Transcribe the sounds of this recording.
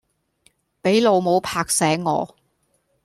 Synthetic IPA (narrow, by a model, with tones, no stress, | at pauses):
pe˨˥jlo˨˧wmo˨˧wpʰaː˧k̚sɛː˨˥ŋŋɔ̰ː˨˧